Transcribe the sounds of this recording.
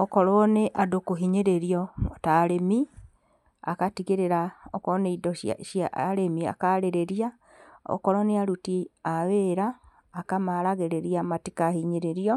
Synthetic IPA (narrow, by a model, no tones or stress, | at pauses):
ɔkɔɾɔneʔadokoɦiɲeɾeɾiɔtaɾemi | a̰katiɣeɾeɾaɔkɔɔneidɔ̰ʃjaɾemia̰kaɾeɾeɾia | ɔ̰kɔɾɔneaɾutiaweɾaː | kamaɾaɣeɾeɾiamatikahiɲeɾeɾiɔ